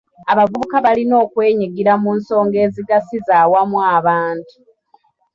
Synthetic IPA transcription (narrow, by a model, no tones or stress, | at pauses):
aβavuβukaβalino̞ːkwe̞ːɲiɡiɾamuːnso̞ːŋɡe̞ːziɡasizaːwamwaːβaːntu̥